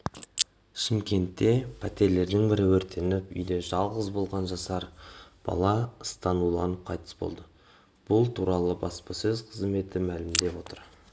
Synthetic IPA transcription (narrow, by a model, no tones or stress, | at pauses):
ʃɪmkʲe̞nt̪ːe̞pʰæt̪e̞ɾle̞ɾd̪ɪŋbɪɾɪwɵɾt̪ʰe̞nɪpʏ̰jd̪e̞ʒɑlˠʁəzbo̞lˠʁɑnʒɑsɑɾb̥ɑ̰lˠɑəst̪ɑnulˠɑnəp̚qʰɑjt̪ə̥sbo̞̰lˠd̪ə | b̥ʊlˠt̪ʰuɾɑlˠəbɑspɑsɵzqʰəzme̞t̪ɪmælɪmd̪e̞pwo̞t̪əɾ